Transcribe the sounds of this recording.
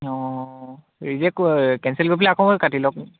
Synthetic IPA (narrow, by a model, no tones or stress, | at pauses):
ɔ | ɹizɛkkɛ̃nsɛlɡopilɛakɔ̃katilɔk